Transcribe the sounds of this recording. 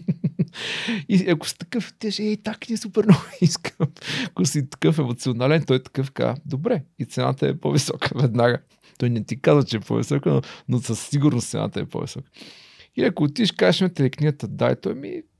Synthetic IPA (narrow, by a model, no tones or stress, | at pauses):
iɐkʊ̥st̪ɐkɤft̪iʃɛit̪aknisupɛɾnoiskəmkosit̪ɐ̥kɤfɛmot̪sionalɛnt̪ɔjɛt̪ɐ̥kɤfka̰d̪obɾɛit̪sɛna̰t̪əɛ̰po̰visɔkəvɛd̪naɡə | t̪ɔjnɛt̪ikazvət͡ʃɛɛpo̰vḭsɔkənonosəsːiɡuɾnost̪sɛ̰na̰t̪əɛ̰pɔ̰vḭsɔkə̥ | iɐkoːt̪iʃkaʃmɛt̪ɛlɛkniɡət̪əd̪a̰jt̪ɔjmḭ